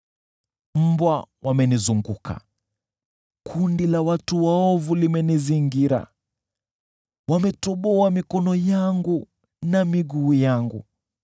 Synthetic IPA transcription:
m̩bwawamɛnizuŋɡukʰa̰ | kʰundilawatuwaɔvulimɛniziŋɡiɾa̰ | wamɛtɔɓɔamikɔnɔjaŋɡu | namiɡuːjaŋɡṵ

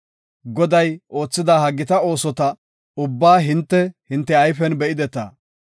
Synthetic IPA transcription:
ɡɔd̪ɐjʔo̞ːt͡sːɪd̪aːɦɐɡːɪt̪ɐo̞ːsɔt̪ɐ | ʊbːaːɦɪnt̪ːɛhɪnt̪ːɛɐjfɛnbɛʔɪd̪ɛt̪ɐ̰

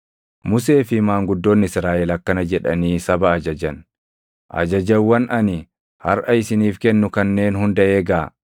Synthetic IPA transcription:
mʊs̬e̞ːfɪmaːŋɡʊd̪ːo̞ːnːɪɪsɾaːʔɛlɐkːɐnɐd͡ʒɛᶑɐ̰niːsɐbɐːd͡ʒɐd͡ʒɐn | ʔɐ̰d͡ʒɐd͡ʒɐwːɐnʔɐnɪ | hɐ̰ɾʔɐɪsɪniːfkɛnːʊkɐnːe̞ːnhʊnd̪ɐʔeːɡaː

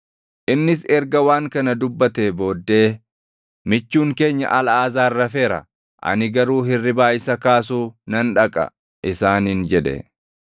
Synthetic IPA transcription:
ʔɪnːɪsɛɾɡɐwaːŋkɐnɐd̪ʊbːɐt̪eːbo̞ːd̪ːe̞ː | mɪt͡ʃːuːŋke̞ːɲːɐ̰ʔɐlaːzaːɪrːɐfe̞ːɾɐ̰ | ʔɐ̰nɪɡɐɾuːɦɪrːɪbaːjɪsɐkaːs̬uːnɐnᶑɐkʼɐ̰ | ʔɪsaːnɪnd͡ʒɛᶑɛ̰

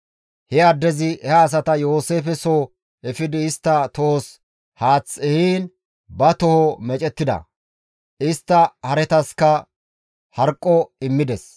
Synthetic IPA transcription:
hɛɐd̪ːɛzɪʔɛhɐːs̬ɐt̪ɐjo̞ːseːfɛsoː | ɛfɪd̪ɪɪst̪ːɐt̪ɔhɔs | haːt͡sːɛhiːn | bɐt̪ɔhɔmɛt͡ʃʼɛt̪ːɪd̪ɐ̰ | ɪst̪ːɐhɐɾɛt̪ɐskɐ | hɐɾkʼːɔɪmːɪd̪ɛs

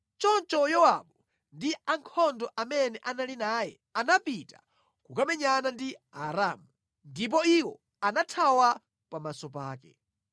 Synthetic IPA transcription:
t͡ʃɔnt͡ʃɔjɔwaɓɔ | ndiaŋkʰɔndɔʔamɛnɛʔanalinaːjɛ̰ | anapita̰ | kukamɛɲanandiaɾamu | ndip̬ɔiwɔ | anatʰawa | pamasɔpaːkɛ̰

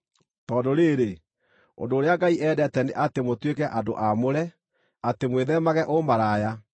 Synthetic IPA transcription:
tɔdoɾeːɾe | o̰ndoːɾeaɡaiʔɛːdɛtɛneʔatemotwekɛʔado̰ʔamoɾɛ | atemweðɛmaɣɛʔomaɾaja

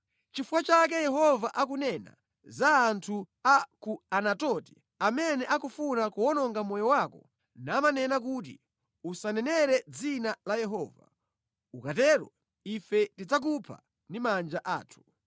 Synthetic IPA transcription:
t͡ʃifukwat͡ʃak̬ɛjɛɦɔvaʔak̬unɛna̰ | zaːntʰu | akuanatɔti̥ | amɛnɛʔakufunakuɔnɔŋɡamɔjɔwakɔ | naːmanɛnakut̬ḭ | usanɛnɛɾɛd͡zinalajɛɦɔːva̰ | ukatɛːɾɔ̰ | ifɛtid͡zak̬upʰa̰ | ndimand͡ʒaʔa̰ːtʰu̥

